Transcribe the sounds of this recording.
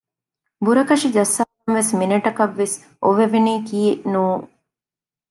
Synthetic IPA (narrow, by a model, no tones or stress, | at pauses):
buɾɐkɐʂid͡ʒɐsːaːnʋesminɐʈɐkɐʋːes | ʔoʋeʋeniːkiːeʔnuːŋ